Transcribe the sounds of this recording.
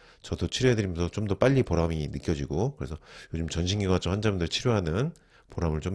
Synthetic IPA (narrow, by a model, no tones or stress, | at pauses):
t͡ɕʌdot͡ɕʰiɾoɦedɯɾimjʌnsʰʌt͡ɕomdʌp͈aʎːipoɾaminɯk͈jʌd͡ʑiɡokɯɾe̞sʰʌjod͡ʑumt͡ɕʌnɕʰiŋɡiɡat͡ɕ͈ʰohand͡ʑamundɯɭt͡ɕʰiɾjoɦanɯn | poɾamɯɭt͡ɕom